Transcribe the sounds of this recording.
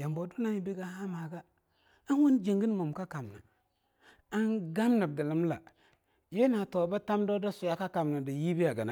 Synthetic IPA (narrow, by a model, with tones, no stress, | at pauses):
ja˨mbo˨du˦na˦ji˨bi˦ɡa˨ha˦ma˨ɡa˦ | a˦n˦wu˦nd͡ʒi˨ŋɡi˦n˦mo˨mka˦ka˨m˨na˨ | a˦nɡa˦mna˨b̚da˨lə˦m˦la˨ | je˦na˨to˨ba˦ta˦mdo˦da˦su˨ja˦ka˦ka˨m˨na˨di˨ji˦bi˦a˨ɡa˨na˨˦